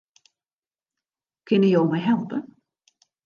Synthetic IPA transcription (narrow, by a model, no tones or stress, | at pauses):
kʰʏnəjɔwmɛjɦɛlˠpə